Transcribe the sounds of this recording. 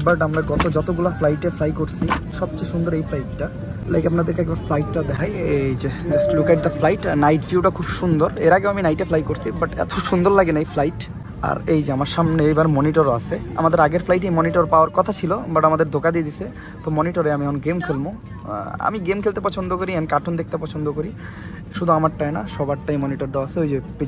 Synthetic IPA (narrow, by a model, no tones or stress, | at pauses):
baʈamɾaɡɔt̪od͡ʑɔt̪oɡulaflajʈeflajkoɾsʰiʃɔbt͡ɕojʃund̪oɾejflajʈːa | lajkapnad̪eɾkeɛk̚baɾflajʈːad̪ɛkʰajed͡ʑed͡ʑasʈlukɛʈ̚d̪ɐflajʈanajʈfjiuʈakʰubʃund̪oɾeɾaɡeoaminajʈeflajkoɾsʰibaʈɛ̰t̪oʃund̪oɾlaɡenajflajʈ | a̰ɾejd͡ʑeamaɾʃamneejbaɾmɔniʈoɾoa̰sʰea̰mad̪eɾaɡeɾflajʈ̬ejmɔniʈoɾpaoaɾkɔt̪ʰat͡ɕʰilobaɽamad̪eɾd̪ʱokad̪ied̪isʰe | t̪omɔniʈoɾeamiɛkʰonɡemkʰelbo | a̰miɡemkʰelt̪epɔt͡ɕʰond̪okoɾiɛnkaʈʰond̪ek̚t̪epɔt͡ɕʰond̪okoɾi | ʃud̪ʱuamaɾʈːajnaʃɔbaʈːajmɔniʈoɾd̪aaaseojd͡ʑepe